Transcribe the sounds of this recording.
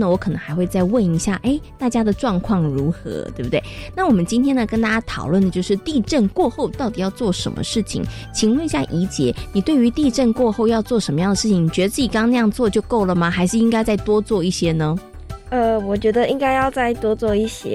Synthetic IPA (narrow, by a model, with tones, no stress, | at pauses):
nə˨wɔ˧˥kʰɤ˨˩nɤ̰˧˦ŋxa˧˥ɪxwe˥˧ɪt͡sa˥˧ɪwə˥˩ni˧˥ɕja̰˥˩ʔe˥˩ɪt̪a˥˩t͡ɕja˥d̪ə˨ʈ͡ʂwɑ˥˧ŋkʰwɑ˥˩ŋɻu˧˥xɤ̰˧˥t̪we˥˩bu˩t̪we˥˩ɪna˥˩wɔ˨˩mə˨˦nt͡ɕi˥nt̪ʰjɛ˥nd̪ə˨˩kə˥nt̪a˥˧˩t͡ɕja˥t̪ʰɑ˨˩ʊlwə˥˩nd̪ə˩t͡ɕjo˥˧ʊʂɻ̩˥˧t̪i˥˧ʈ͡ʂə˥˧nkwɔ˥˧xo˥˩ʊt̪ɑ˥˩ʊt̪i˨jɑ˥˧ʊt͡swɔ˥˩ʂə̰˧˥nmə̰˧ʂɻ̩˥˩t͡ɕʰḭ˨˩ŋ | t͡ɕʰi˨˩ŋwə˥˧ni˧˥ɕja˥˩ʔi˧˥t͡ɕjɛ˧˥˦ni˨˩t̪we˥˩ɪy˧˥t̪i˥˧ʈ͡ʂə˥˧nkwɔ˥˧xo˥˧ʊjɑ˥˧ʊt͡swɔ˥˩ʂə˧˥nmə˧jɑ˥˩ŋd̪ə˩ʂɻ̩ʰ˥˩i˨˩ŋni˨˩t͡ɕɥɛ˧˥d̪ə˧t͡s̩˥˩i˨˩kɑ˥ŋna˧jɑ˥˧ŋt͡swɔ˥˧t͡ɕjo˥˧ʊko˥˩ʊlə˩ma˩xa˧˥ɪʂɻ̩˥˩i˥ŋka˥ɪt͡sa˥˩ɪt̪wɔ˥t͡swɔ˥˧i˥˩ɕjɛ˥nə˧ | ə˧˩wɔ˨˩t͡ɕɥɛ˧˥d̪ə˧ʔi˥ŋka˥ɪjɑ˥˧ʊt͡sa˥˩ɪt̪wɔ˥t͡swɔ˥˧i˥˩ɕjɛ̰˦˥